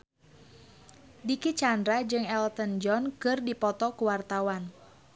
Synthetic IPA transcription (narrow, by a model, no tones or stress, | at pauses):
dikit͡ʃandɾad͡ʒɨŋɛlt̪ənd͡ʒɔnkɨrdipɔt̪ɔkuwart̪awan